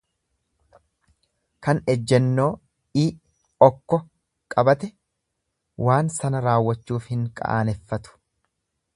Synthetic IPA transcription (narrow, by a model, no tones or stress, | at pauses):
kɐnɛd͡ʒːɛnːo̞ː | iː | ɔkːɔ | kʼɐbɐt̪ɛ | wʔaːnsɐnɐɾaːwːɐt͡ʃːuːfhɪŋkʼɐ̰ʔa̰ːnɛfːɐt̪ʊ̥